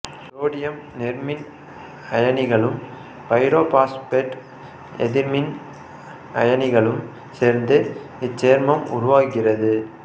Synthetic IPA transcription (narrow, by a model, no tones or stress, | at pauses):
ɾoːɽɪjɐmnɛɾmɪn | ɐjɐnɪɣɐɭɯm | pɐɪɾoːpaːspeʈ | ɛ̰ðɪɾmɪn | ʔɐ̰jɐnɪɣɐɭɯm | seːɾnd̪ɯ | ɪt͡ʃːeːɾmɐmʊ̰ɾʊʋaːkɪrɐðɯ